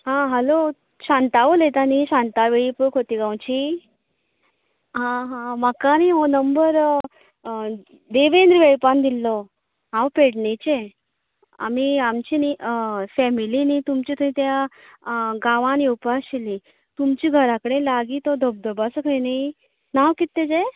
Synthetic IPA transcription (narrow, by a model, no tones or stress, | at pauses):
ɦãɦəlo | ɕãnt̪aʋəlet̪aniɕãnt̪aʋeɭipəɭkʰot̪iɡãwt͡ɕi | ɦãɦãməkaniɦonəmbəɾ | d̪eʋẽnd̪ɾʋeɭpand̪ilːɔ | ɦãwpeɽɳet͡ɕe | a̰miamt͡ɕinifɛmilinit̪umt͡ɕit̪umĩt̪ja | ɡaʋãniupaɕili | t̪umt͡ɕiːɡʱəɾakəɽelaɡiːt̪ɔd̪ʱəb̚d̪ʱəbasəkʰəjni | nawkit̪ːed͡ʑe